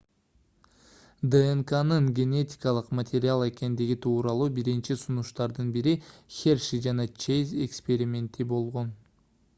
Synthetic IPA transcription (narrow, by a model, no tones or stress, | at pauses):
d̪əeŋkanɯɴɡʲe̞nʲe̞tʲi̥kɑlˠɯqmɐt̪ʰʲeɾʲɪalˠe̞ke̞nd̪iɡʲit̪ʰuːɾɑlˠuːbiɾint͡ʃisunuʃt̪ɑɾd̪ɯnbiɾixʲerʃid͡ʒɑnɑt͡ʃezʲekspʲe̞ɾʲimʲe̞nt̪ibo̞lˠʁo̞n